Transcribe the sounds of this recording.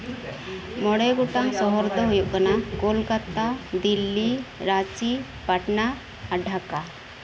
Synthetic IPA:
mɔɽɛɡɔʈaŋsɔɦɔɾd̪ɔɦujuʔkanakɔlkat̪ad̪ilːiɾat͡ʃi | paʈnaː | ɖʱaka

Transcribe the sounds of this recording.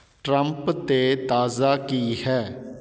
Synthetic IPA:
ʈɾəmpt̪eːt̪aːzaːkiːɦɛː

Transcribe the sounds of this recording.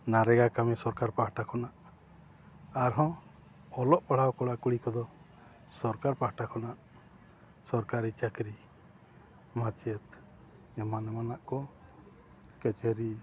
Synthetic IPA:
naɾɛɡakamisɔɾkaɾpaɦʈakʰɔnaʔ | aɾɦɔ̃ | ɔlɔʔpaɽ̤awkɔɽakuɽikɔd̪ɔ | sɔɾkaɾpahʈakʰɔnaʔ | sɔɾkaɾit͡ʃakɾi | mat͡ʃɛt̪ | ɛmanɛmanaʔkɔ | kɛt͡ʃɛɾi

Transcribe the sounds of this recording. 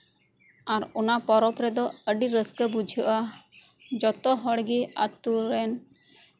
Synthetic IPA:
aɾunapɔɾɔpɾɛd̪ɔəɖiɾəskəbud͡ʒʱuʔa | d͡ʒɔt̪ɔɦɔɽɡia̰t̪uɾɛn

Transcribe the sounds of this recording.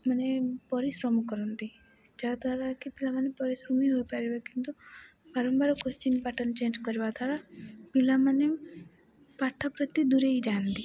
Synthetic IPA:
manepɔɾisɾɔmkɔɾɔnt̪i | d͡ʒaɾat̪aɾakipilamanepɔɾisɾɔmiɦojpaɾibekint̪u | baɾɔmbaɾɔkɔst͡ʃinpaʈənt͡ʃend͡ʒkɔɾibat̪ʰaɾapilamane | paʈʰːapɾɔt̪ːid̪uɾeid͡ʒant̪i

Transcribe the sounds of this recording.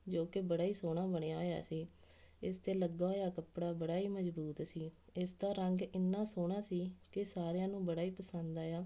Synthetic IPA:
d͡ʒoːkebəɽaːiːsoːɽaːbəɽ̃eːaːoːja̰ːsiː | ɪst̪eːləɡaːɦoːjaːkəpɽaːbəɽaːiːməzbuːt̪siː | ɪsd̪aːɾəŋɡɪnːãːsoːɽ̃aːsiːkɪsaːɾejãːnũːbəɽaːiːpəsənd̪aːjaː

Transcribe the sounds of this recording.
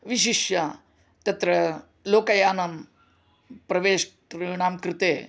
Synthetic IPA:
ʋiʃiʃjɐ | t̪ɐt̪ɾɐ | loːkɐjaːnɐm | pɾɐʋeːʂʈɾiɳaːmkɾɪt̪eː

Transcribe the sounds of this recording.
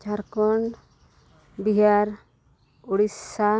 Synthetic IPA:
t͡ʃaɾkɔɳ | biɦaɾ | uɽisa

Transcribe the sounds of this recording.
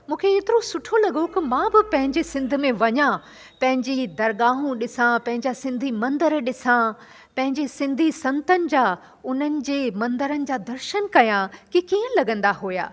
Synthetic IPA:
mũːkʰeeːt̪ɪɾosʊʈʰolɐɡokɪmãːbɪpɐ̃ɦɪ̃ɲd͡ʑesɪ̃nd̪ʱʊ̆mẽʋɐɲã | pɐ̃ɦɪ̃ɲd͡ʑid̪ɐɾɡaːɦũɗɪsãpɐ̃ɦɪ̃ɲd͡ʑasɪ̃nd̪ʱimɐ̃nd̪əɾɗɪsã | pɐ̃ɦɪ̃ɲd͡ʑesɪ̃nd̪ʱisɐ̃nt̪ənɪ̆d͡ʑaː | ʊn̤ənɪ̆d͡ʑeːmɐ̃nd̪əɾənɪ̆d͡ʑaːd̪ɐɾʃənkɐjãkikiːɦə̃lɐɡə̃nd̪aɦuːja̰ː

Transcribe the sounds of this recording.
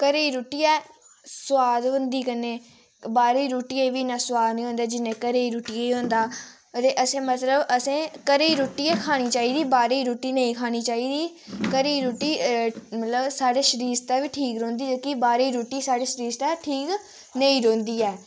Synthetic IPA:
kəɾeiːɾoːʈiːɛː | sʊwaːd̪ɦʊ̃nd̪iːkənẽː | baːɾiːɾoːʈiːeːʋiːnãːsʊwaːd̪nĩːɦõːnd̪aːd͡ʒɪnẽːkəɾeːiːɾuːʈiːeːiːɦõːnd̪aː | ɾeːʔəsẽːmət̪ləbəsẽːkəɾeiːɾoːʈiːɛːkʰaːɽ̃iːt͡ʃaːiːd̪iːbaːɾeiːɾuːʈiːnəĩːkʰaːɽ̃iːt͡ʃaːiːd̪iː | kəɾeiːɾoːʈiːmət̪ləbsaːɖeːʃəɾiːst̪aːʋiːʈʰiːkɾõːnd̪iːd͡ʒəkibaːɾeiːɾoːʈiːsaːɽeːʃəɾiːst̪aːʈʰiːk | nəĩːɾõːnd̪iːɛː

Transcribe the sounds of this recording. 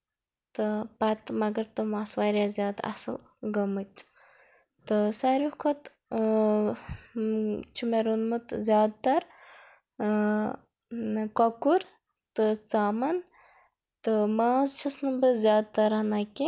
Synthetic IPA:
t̪ɨpɐt̪mɐɡɐɾt̪ɨmaːsʋaːɾʲjazʲjaːd̪ɐ̰sɨl | ɡɐmɨt̪ | t̪ɨsaɾʲukʰot̪ | t͡ʃʰumeɾunmɨt̪zʲjaːd̪̚t̪ɐɾ | kɐkuɾ | t̪ɨt͡saːmɐn | t̪ɨmaːzt͡ʃʰɐsnɨbɨzjaːd̪̚t̪ɐɾɐnakʲi

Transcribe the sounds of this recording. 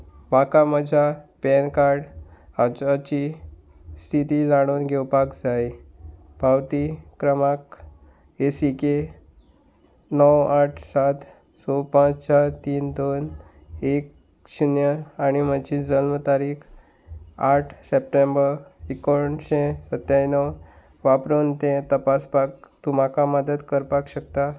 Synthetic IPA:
bakaməd͡ʑʱapɛnkaɾɽat͡ɕat͡ɕi | st̪ʰit̪id͡zaɽ̃oːnɡʱewpakd͡zaj | b̥ʱawt̪ikɾəmak | esike | nəwaʈʰsat̪ | sopãt͡st͡ɕaɾt̪iːnd̪on | ek̚ | ɕunjəaɽ̃imət͡ɕid͡zəlmət̪aɾiːkʰ | aʈʰsep̚ʈembəɾikoɳɕẽsət̪jajnɔw | ʋapɾont̪ẽt̪əpaspak̚t̪um̤akaməd̪əd̪kəɾpakɕək̚t̪a

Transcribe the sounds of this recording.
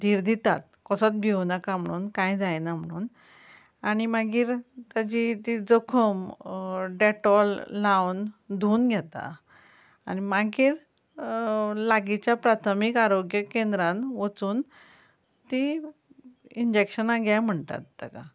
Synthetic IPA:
d̪ʱiːɾd̪it̪at̪̚kɔsət͡s̪̚bʱewnakam̤əɽ̃uːnkãjd͡zajnam̤əɽ̃uːn | aɽ̃imaɡiːɾt̪ad͡ʑit̪id͡zəkʰəm | ɖɛʈɔllawnd̪ʱuːnɡʱjɛt̪a̰ | aɽ̃imaɡiːɾ | laɡit͡ɕjapɾat̪ʰəmikaɾoɡjəkend̪ɾãnʋət͡suːn | t̪i | iɲd͡ʑekɕənaɡʱjajm̤əɳt̪a̰t̪̚d̪a̰ka

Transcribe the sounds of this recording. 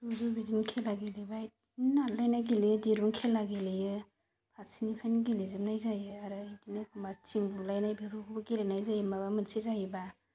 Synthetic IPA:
duzubidinkʰelaɡelibaj̚ | nalajnaɡelijɯdiɾuŋkʰelaɡelejɯ | pʰatsinipʰajnɡelizɯmnajzajɯaɾɯidinɯkʰumat͡ʃiŋbulajnajbiɾukʰubɯɡelenajzajɯmabamɯnsizajiba

